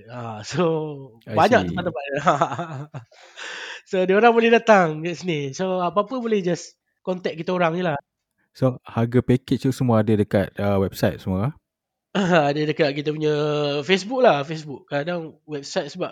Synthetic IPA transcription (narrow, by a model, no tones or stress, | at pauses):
aso | baɲãkt̪əat̪əpaʔa | sodiəoɾaŋbolɛhdat̪aŋɡaʔsinisoapapəbolɛhd͡ʒas | kɔnt̪ɛk̚kit̪aoɾaŋnilah | sohaɡapekeʔ̚t̪usəmuaadadəkat̪̚əwɛb̥̚sajt̪̚səmuaa | əadədəkat̪̚kit̪̬əpuɲəfesbuk̚lahfesbuk̚ːadaŋwɛb̚sajt̪̚səbap̚